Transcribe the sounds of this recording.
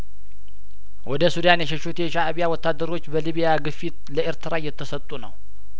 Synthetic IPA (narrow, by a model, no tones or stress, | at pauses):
wʔɔd̪əsud̪anjɛʃɛʃut̪jɛʃaːβijawɔt̪ʰːad̪ːəɾo̞t͡ʃːbəliβijaɡɨfːit̪ləʔeɾt̪ʰɨɾajɛt̪ʰːəsət̪ʼunə̰w